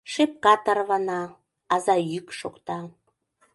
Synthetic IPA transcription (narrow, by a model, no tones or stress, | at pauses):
ʃep̚kɑt̪ɑrβɑnɑː | zɑjykʃokt̪ɑ